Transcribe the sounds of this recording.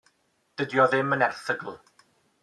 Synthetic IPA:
d̥ədjɔðɪmənɛθəɡəlˠ

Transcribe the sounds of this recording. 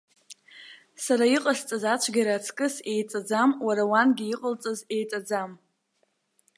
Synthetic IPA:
saɾaiqʼəst͡sʼazat͡ʃʷʰɡʲaɾat͡sʰkʼɨse̞jt͡sʼad͡zamwaɾawanɡʲiiqʼəlt͡sʼaze̞jt͡sʼad͡zam

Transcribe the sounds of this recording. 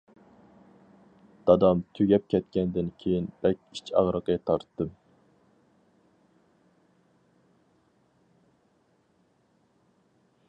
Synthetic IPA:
d̪̥ɑd̪ɑmt̪ʰyɡʲɛp̚kʲʰɛt̪̚kʲɛnd̪ɪnkʲʰejinb̥ɛkʲit͡ʃʰɑ̰ʁɾəqət̪ʰɑɾt̪ːɨm

